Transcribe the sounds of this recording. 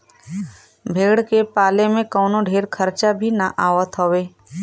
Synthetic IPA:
bʱeːɽkepaːlemẽkɔːnoɖʱeːɾkʰəɾt͡ʃabʱinaʔaːʋət̪ɦoːʋeː

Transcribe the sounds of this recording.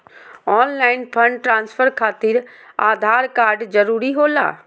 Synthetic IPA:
ɔːnlaːɪnpʰə̃ɳɖʈɾãːnspʰəɾkʰaːt̪iɾ | aːd̪ʱaːɾkaːɾɖzɐɾuːɾiɦoːla̰ː

